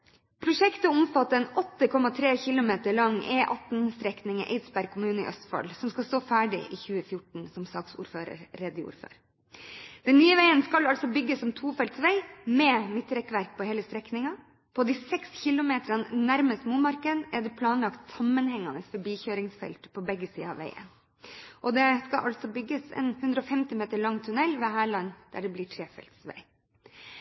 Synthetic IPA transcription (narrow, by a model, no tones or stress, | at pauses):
pʰɾʊʂɛkt̪əɔɔmfɑt̪ːəɛnɔt̪ːəkʰɔmɑt̪ʰɾeːçɪlʊmeːt̪əɾɭɑŋʔḛːʔɑt̪n̩st̪ɾɛknɪŋə̰ʔḛɪd̪sbæɾɡ̚kʰʊmʉːnəɪ̰ʔœst̪fɑ̰lsɔmskɑst̪oːfæːɖɪ̰ʔiːçʉːəfjʊʈɳ̩sɔmsɑːksṵːɾføːɾə̰ɾɾeːd̪əṵːɾfø̰ːɾ | d̪̥ɛnːyːəʋæɪənskɑlɑlsɔbʏɡːəsːɔmt̪ʰuːfɛlt̪sʋæɪmeːmɪt̪ːɾɛkʋæɾk̚pʰɔheːləst̪ɾɛknɪŋɑ | pʰɔd̪iːsɛksçɪlʊmeːt̪ɾɑnnæɾməst̪muːnmɑɾkənɛɖ̪ɛpʰlɑːnlɑkt̪sɑmːənhɛŋːɑnəsfœbiːçøːɾɪŋsfɛ̰lt̪pʰɔbɛɡːəsḭːəɑ̰ʋæ̰ɪə̰n | ʔɔd̪ɛskɑʔɑlt̪sɔbʏɡːəsɛ̰nhʉnd̪ɾəɔfɛmt̪ɪmeːt̪əɭɑŋːt̪ʰʉnɛlːʋeːɦæːɭɑnd̪̥æ̰ɖɛbliːʈʰɾeːfɛ̰lt̪sʋæ̰ɪ